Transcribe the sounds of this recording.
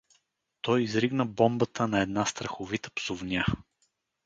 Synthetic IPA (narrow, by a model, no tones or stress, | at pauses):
t̪ɔjizɾiɡnəbɔmbət̪ənɐɛd̪nast̪ɾəxʊvit̪ə̥psʊvnʲa